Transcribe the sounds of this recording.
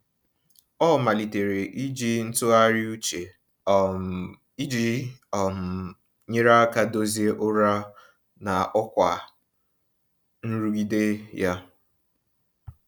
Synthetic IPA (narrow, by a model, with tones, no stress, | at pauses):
ɔ˦˨ma˨li˨te˨ɾe˨ʔi˦d͡ʒi˦n̩˦tʊ˦a˦ɾɪ˦u˦t͡ʃe˨ | i˦d͡ʒi˦˨m̩˨ | ɲe˦ɾa˦ka˦do˦zi˦e˦ʔʊ˦ɾa˦ | na˨ʔɔ˦kʷa˨ | n̩˦ɾu˦ɡi˦de˦ja˦